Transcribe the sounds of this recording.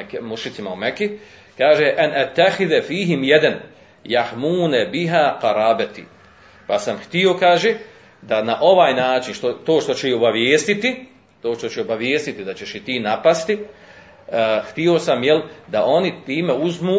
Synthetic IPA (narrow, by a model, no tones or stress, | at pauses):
kmuʃit̪simaumeki | kaːʒeʔanʔat̪ːaxiðfiːɦimjed̪an | jahmuːnabiɦaːqɑɾaːbat̪ḭː | pasamxt̪io̞kaːʒe | d̪anaʔo̞ʋaːjnaːt͡ʃinʃt̪ot̪oːʃt̪o̞t͡ɕeio̞baʋjeːst̪it̪i | t̪oːʃt̪ot͡ɕeobaʋjeːst̪it̪id̪at͡ɕe̞ʃit̪iːnapast̪i | xt̪io̞samjeld̪aʔo̞nit̪iːme̞uzmuː